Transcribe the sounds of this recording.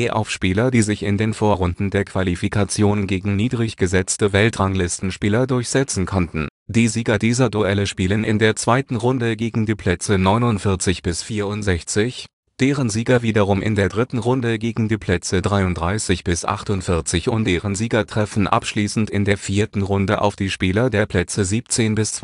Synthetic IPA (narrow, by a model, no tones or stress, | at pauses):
ʔeɐʔa̰ʊfʃpiːlɐdiːzɪçɪ̰ndeːnfoːɐʁʊndn̩deːɐkv̥alifikʰat͡sjoːnɡeːɡŋ̩niːdʁɪçɡ̥əzɛt͡stəvɛltʁaŋlɪstn̩ʃpiːlɐdʊɐçz̥ɛt͡sn̩kʰɔntn̩d̥iːziːɡɐdiːzɐduʔɛləʃpiːlənʔɪndeːɐt͡sv̥aɪtn̩ʁʊndəɡeːɡŋ̩diːpʰl̥ɛt͡sənɔʏnʊntfɪɐt͡sɪçb̥ɪsfiːɐʊntz̥ɛçt͡sɪç | d̥eːʁənziːɡɐviːdɐʁʊmʔɪ̰ndeːɐdʁɪtn̩ʁʊndəɡeːɡŋ̩diːpʰl̥ɛt͡sədʁaɪʊntdʁaɪsɪçb̥ɪsʔa̰χtʊntfɪɐt͡sɪçʊntd̥eːʁənziːɡɐtʁ̥ɛfn̩ʔa̰pʃliːsn̩tɪndeːɐfiːɐtn̩ʁʊndəʔa̰ʊfd̥iːʃpiːlɐdeːɐpʰl̥ɛt͡səziːpt͡seːnbɪs